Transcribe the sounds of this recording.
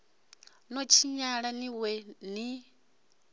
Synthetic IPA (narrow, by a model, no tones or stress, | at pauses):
nɔt͡ʃʰiɲaɺaniwɛni